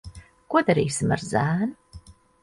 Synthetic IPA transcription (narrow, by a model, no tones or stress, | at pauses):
kuɔd̪aɾiːsima̰ɾzæːnu